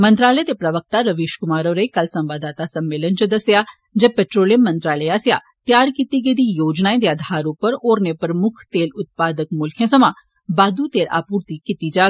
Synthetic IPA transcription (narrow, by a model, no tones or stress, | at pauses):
mə̃nt̪ɾaːləet̪epɾəʋək̚t̪aːɾəʋiːʃkʊmaːɾoːɾeikəlsə̃mʋaːd̪aːt̪aːsəmːeːlənt͡ʃəd̪əsjaː | d͡ʒepɛʈɾoːləmːə̃nt̪ɾaːleaːsɪja̰ː | t̪jaːɾkiːt̪iːɡeid̪iːjoːd͡ʒnaːẽd̪eaːd̪ʱaːɾupəɾoːɾnepəɾmʊkʰt̪eːlʊt̪̚paːd̪əkmʊlkʰẽːsəmãː | baːd̪uːt̪eːlʔa̰ːpuːɾt̪ikit̪iːd͡ʒaː